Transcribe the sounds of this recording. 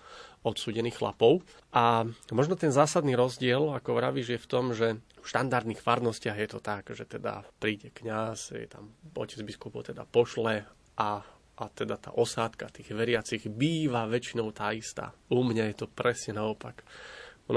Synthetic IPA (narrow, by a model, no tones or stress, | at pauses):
ɔt̪suːɟɛniːxxla̰pɔʊ | ʔamɔʒnɔt̪ɛnzaːsad̪niːɾɔzɟɪɛlakɔʋɾaʋiʒɪjɛft̪ɔmʒɛfʃt̪and̪aɾd̪niːxfaɾd̪nɔscɪaɣjɛt̪ɔt̪akʒɛt̪ɛd̪a̰pɾiːɟɛkɲasjɛ̰t̪a̰mɔ̰cɛd͡zbiskupɔʊt̪ɛd̪a̰pɔʃlɛ | ʔa | at̪ɛd̪at̪a̰ːʔɔsaːt̪kat̪iːɣʋɛɾɪat͡siɣbiːʋaʋɛt͡ʃinɔʊt̪aːist̪a̰ːumɲajɛt̪ɔpɾɛsɲɛnaɔpak | n